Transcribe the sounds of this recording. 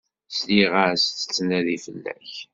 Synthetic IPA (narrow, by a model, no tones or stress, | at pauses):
sliʁast͡sːə̥t͡sːnæðifəlːæ̰ç